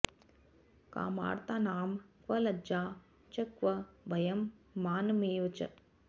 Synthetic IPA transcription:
ka̰ːma̰ːɾt̪aːnaːmkʋɐlɐd͡ʒaː | t͡ʃɐkʋɐbʱɐjɐmːaːnɐmeːʋɐt͡ʃɐ̰

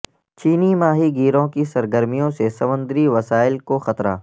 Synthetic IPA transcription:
t͡ʃiːnimaːɦiɡiːɾõkisɐɾɡəɾmijõsesɐmə̃nd̪ɾiʋɐsaːɪlkoxɐt̪ɾa̰ː

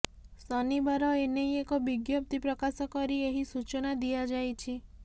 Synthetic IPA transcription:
sɔnibaɾɔenejekɔbiɡjɔp̚t̪ipɾɔkasɔkɔɾieɦisut͡ʃɔnad̪ijad͡ʒajt͡ʃʰi

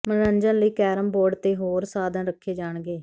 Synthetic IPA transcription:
məɾənd͡ʒə̃ːləiːkɛːɾəmboːɾɖt̪eːɦoːɾsaːd̪ãːɾəkʰːeːd͡ʒaːɳɡeː

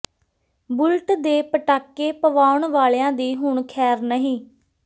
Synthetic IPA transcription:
bʊlʈd̪eːpəʈaːkːeːpəʋaːʊɳʋaːleãːd̪iːɦʊɳkʰɛːɾnəɦĩː

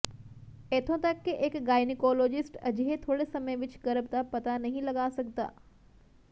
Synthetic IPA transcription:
eːt̪ʰõt̪ɐkːeʔeːkɡaːɪnɪkɔːloːd͡ʒɪsʈɐ̰d͡ʒɦet̪ʰoːɽesɐməjʋɪt͡ʃɡɐɾəb̚t̪apɐt̪anɐɦĩlɐɡaːsɐk̚t̪a̰ː

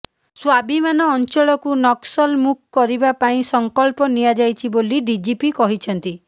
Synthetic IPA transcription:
swabʱimanɔːnt͡ʃɔɭɔkunɔksɔlmukʰkɔɾibapaĩsɔŋkɔlpɔnijad͡ʒajt͡ʃʰiboliɖid͡ʒipikɔɦit͡ʃʰɔnt̪i

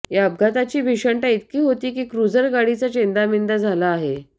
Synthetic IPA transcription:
jaəb̚ɡʱat̪at͡ɕiːbʱiʂəɳʈait̪̚kiːɦot̪iːkiːkɾud͡zəɾɡaɽit͡sat͡ɕẽnd̪amind̪ad͡zʱalaːɦe

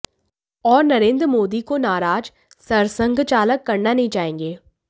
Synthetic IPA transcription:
ɔːɾnɐɾẽːnd̪ɾəmoːd̪ikonaːɾaːd͡ʒ | sɐɾsə̃ŋɡʱt͡ʃaːləkːɐɾnanɐɦĩt͡ʃaːɦẽːŋɡeː

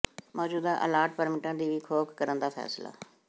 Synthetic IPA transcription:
mɔːd͡ʒuːd̪aːʔəlaːɾʈ̚pəɾmɪʈãːd̪iːʋiːkʰoːkkəɾənd̪aːpʰɛ̰ːsla̰ː

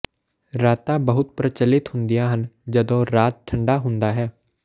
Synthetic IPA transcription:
ɾaːt̪ãːbəɦʊt̪̚pɾət͡ʃəlɪt̪hʊnd̪ijãːɦənd͡ʒəd̪õːɾaːt̪̚ʈʰəɳɖaːɦʊ̃nd̪aːɦɛː

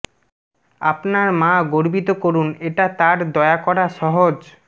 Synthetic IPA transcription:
apnaɾmãɡoɾbit̪okoɾuneʈat̪aɾd̪ɔeakɔɾaʃɔɦod͡ʑ

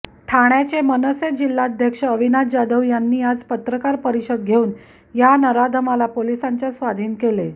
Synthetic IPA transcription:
ʈʰaɽ̃jat͡ɕemənəsed͡ʑilːaəd̪ʱjəkʂəəʋinat̪d͡ʑad̪əʋjanːiːad͡zpət̪ɾəkaɾpəɾiɕəd̪̚ɡʱeuːn | janəɾad̪ʱəmalapolisãɲt͡ɕasʋad̪ʱiːnkele

